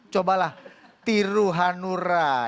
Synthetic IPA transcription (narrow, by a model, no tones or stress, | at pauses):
t͡ʃobalaht̪iɾuɦanuɾa